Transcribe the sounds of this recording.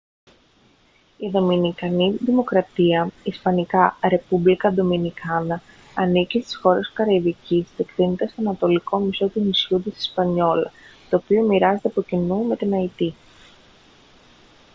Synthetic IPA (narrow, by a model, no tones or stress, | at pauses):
iðo̞minikɐniðimo̞kɾɐt̪iɐispɐnikɐɾe̞publikɐd̪o̞minikɐnɐː | nicist̪i̥sxo̞ɾe̞skɐɾɐivicist̪ekθinet̪est̪o̞ɐnɐt̪o̞likʰo̞miso̞t̪inisçut̪isi̥spɐɲo̞lɐ̰t̪o̞ːpio̞miɾɐzet̪eɐpo̞cinume̞t̪inɐit̪i